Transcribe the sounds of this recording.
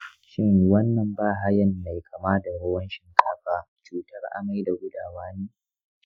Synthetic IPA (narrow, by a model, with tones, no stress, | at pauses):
ʃɪ˦ŋwɐ˦nːɐ˨mbaː˦˨ɦa˦jɐ˦˨nːa˨jkʰɐ˨maː˦da˨ɽɐ˦wɐ˦nʃɪ˦ŋkʰaː˦ɸaː˦ | t͡ʃuː˦tɐ˦rʔa̰˦ma˦jda˨ɡʷʊ˦daː˨waː˦neː˦